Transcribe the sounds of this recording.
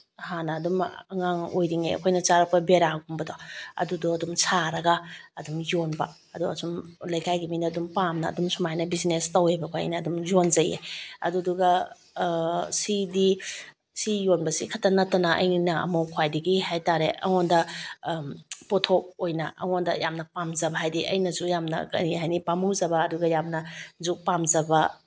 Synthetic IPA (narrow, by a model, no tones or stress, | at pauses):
hanɐːdumɐŋaŋojɾiŋeɐ̰kʰojnɐt͡ʃaɾɐk̚pɐbeɾaɡumbɐdɔɐ̰dudɔɐdumsaɾɐɡɐɐdumjonbɐ̰ | ɐduɐ̰sumlɐjkʰajɡiminɐːdumpamnɐ̰ːdumsumajnɐbizinestɐwebɐkʰoja̰jnɐːdumjonzɐjḛɐ̰duduɡɐ | sidi | sijonbɐsikʰɐtːɐnɐtːɐnɐʔɐ̰jnɐɐ̰mowkʰwajdiɡihajtaɾeʔɐ̰ŋondɐ | potʰok̚ojnɐ̰ʔɐ̰ŋondɐjamnɐpamzɐbɐɦajdiʔɐ̰jnɐzujamnɐ̰kɐ̰niɦajnipamɯwzɐbɐːduɡɐjamnɐzuk̚pamzɐbɐ